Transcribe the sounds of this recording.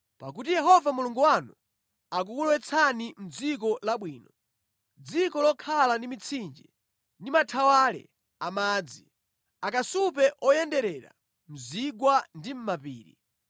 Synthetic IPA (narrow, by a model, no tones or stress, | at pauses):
pak̬utijɛɦɔvamuluŋɡuwanu | ak̬ukulwɛt͡sʰanim̩d͡zik̬ɔlaɓwiːnɔ | d͡zikɔlɔkʰalandimit͡sʰind͡ʒi | ndimatʰawaːlɛ̰ | amaːd͡zi | akasupɛʔɔjɛndɛɾɛɾa̰ | m̩ziɡwandim̩mapiːɾḭ